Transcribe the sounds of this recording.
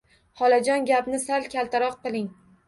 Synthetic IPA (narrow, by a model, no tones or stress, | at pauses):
hɒlad͡ʒɒnɡʲapnɪsalkʲʰalˠt̪aɾɒqqɨlɪŋ